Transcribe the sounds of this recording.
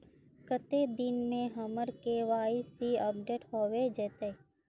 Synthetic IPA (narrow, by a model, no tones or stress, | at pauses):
kət̪ed̪ɪnmẽɦɐməɾkeʋaːɪsiəp̚ɖeːʈɦoːʋed͡ʒeːt̪eː